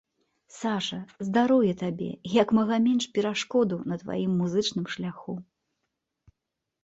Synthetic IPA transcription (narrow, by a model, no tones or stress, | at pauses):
saʂɐzd̪aɾɔwjɛt̪abʲɛ̰jɐkmɐɣɐmʲɛnʂpʲɛɾaʂkɔd̪ɐwnɐt̪va̰jimːuzɨt͡ʂnɨmʂlʲaxu